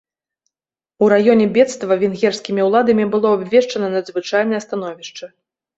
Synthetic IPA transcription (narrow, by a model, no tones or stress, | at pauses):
uɾajɔnʲɛbʲɛt̪st̪vɐvʲɛnɣʲɛrsʲkʲimʲiwlˠad̪ɐmʲibɨlˠɔabʲvʲɛʂt͡ʂɐnɐnɐd̪zvɨt͡ʂajnɨjɐst̪an̪ɔvʲiʂt͡ʂɐ